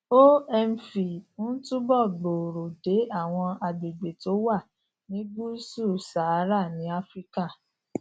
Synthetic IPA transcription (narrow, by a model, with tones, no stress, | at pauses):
o˦ɛ˧m̩˨fi˨u˦n̩˦tu˦bɔ˦˨ɡ͡bo˨ɾo˨de˨˦a˦˨w̃ɔ̃˧a˨˧ɡ͡be˨ɡ͡be˨to˨˦wa˦˨ | nĩ˨˦ɡu˦su˦˨sa˨˦ɾa˦˨nĩ˨˦a˦fɾi˦ka˦˨